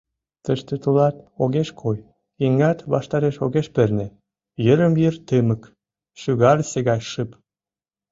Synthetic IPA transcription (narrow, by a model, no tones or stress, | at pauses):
t̪əʃt̪et̪ulɑt̪̚oɣeʃkʰoj | iŋɑt̪βɑ̰ʃt̪ɑɾeʃoɣeʃpernĕ | jəɾəmjərt̪əmək | ʃyɣɑlseɣɑjʃəp